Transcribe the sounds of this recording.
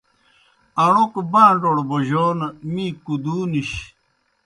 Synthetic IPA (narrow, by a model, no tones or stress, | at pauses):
ɐɳokbãːɳɖoɽboʑoːnmĩːkud̪uːniɕ